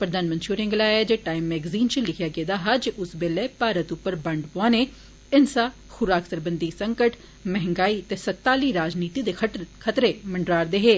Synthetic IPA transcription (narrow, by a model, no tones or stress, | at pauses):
pɾəd̪aːnmənʃuːɾɪ̃ŋɡlaːɛːd͡ʒeːʈaːimːɛːɡziːnt͡ʃəlɪkʰjaːɡeːd̪aːɦaːd͡ʒeʔʊsbeːlɛːpaːɾət̪ʊpːəɾbəɳɖpoaːneː | ɪnsaː | xʊɾaːksəɾbənd̪iːsəŋkəʈ | mɛɦɪ̃ŋɡaːiːt̪eːsət̪ːaːliːɾaːd͡ʒniːt̪iːd̪eːkʰət̪ɾeːməɳɖɾaːɾd̪eːɦeː